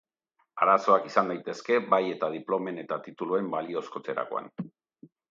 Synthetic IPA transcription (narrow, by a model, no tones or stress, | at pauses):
aɾaso̞akisand̪ajt̪e̞ske̞βaje̞t̪að̞iplo̞me̞ne̞t̪at̪it̪ulue̞mbalio̞skot͡se̞ɾa̰ko̞̰a̰n